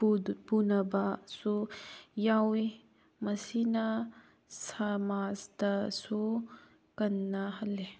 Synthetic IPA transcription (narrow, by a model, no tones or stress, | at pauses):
punɐbasujawi | mɐsinɐ | sɐmazd̪ɐsu | kɐnːaɦɐle